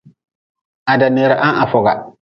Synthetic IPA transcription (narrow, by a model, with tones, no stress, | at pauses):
a˨da˨ne˨ɾa˨ʔa˦ʔa˨fɔ˨ɡa̰˨